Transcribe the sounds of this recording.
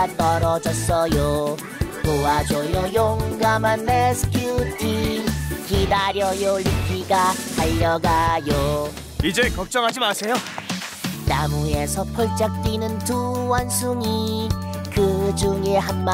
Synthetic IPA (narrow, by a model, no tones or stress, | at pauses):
t̪͈ʌɾʌd͡ʑʌs͈ʌjo | powad͡ʑojʌjoŋɡamanːesʰɯ̥kjutikidaɾjʌjolikiɡaaʎːʌɡajo | id͡ʑekʌk̚t͡ɕ͈ʌŋɦad͡ʑimasʰe̞jo | namue̞sʰʌpʰoɭt͡ɕ͈ak̚t͈winɯntuwansʰuŋi | kɯd͡ʑuŋeɦamma